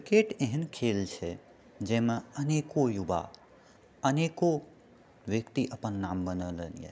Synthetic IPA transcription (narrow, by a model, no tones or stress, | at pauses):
kɾkeʈeɦənkʰelt͡ʃʰe | d͡ʒẽmãənekojuba̰ | əneko | ʋjəkt̪iʔəpənːambənələnijḛ